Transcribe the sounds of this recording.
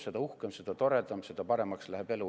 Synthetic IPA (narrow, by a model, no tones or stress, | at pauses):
sed̪ɑuhkemsed̪̥ɑt̪o̞ɾet̪ɑmsed̪̥ɑpɑɾe̞mɑkslæhebelu